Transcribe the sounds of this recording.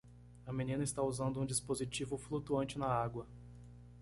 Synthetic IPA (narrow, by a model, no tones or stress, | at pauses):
ɐmẽnĩnɐɪst̪auzɐ̃nd̪ʊũd͡ʒispozit͡ʃivʊflut̪uɐ̃nt͡ʃɪnɐaɡwɐ